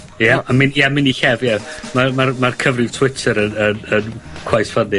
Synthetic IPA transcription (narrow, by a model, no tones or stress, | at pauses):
jaamɪnjamɪniɬɛvjamamarmarkʰəvrɪv̥tʰwɪtʰəɾənənənkʰwajsfadɪ